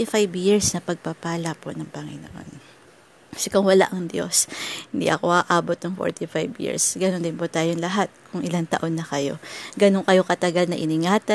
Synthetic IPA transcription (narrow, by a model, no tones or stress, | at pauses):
ɪfajbjiɹsnɐpɐɡ̚papaːlɐponɐŋpɐŋɪ̰no̰ʔo̰n | sɛkʊŋwɐla̰ʔɐŋd̪jo̞̰shɪnd̪ḭʔɐko̞ʔaːʔaːbot̪̚nɐŋfo̰ɹt̪ɪfajbjḭɹsɡɐnond̪ɪnpʊt̪aːjoŋlɐɦat̪̚kʰʊŋʔɪlant̪ɐʔo̞nːɐkɐjo̞̰ɡɐnoŋkɐjo̞kɐt̪ɐɡalnɐʔɪnɪŋaːt̪ɐ